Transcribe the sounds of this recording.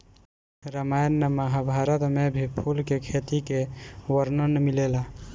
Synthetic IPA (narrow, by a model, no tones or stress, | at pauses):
ɾəmajənːəməɦabʱaɾət̪mebʱipʰulkekʰet̪ikeʋəɾnənmilela